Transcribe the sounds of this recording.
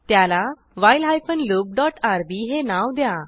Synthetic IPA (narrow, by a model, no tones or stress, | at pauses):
t̪jala | ʋajlɦajfənlup̚ɖɔʈaɾbiɦenaʋd̪ja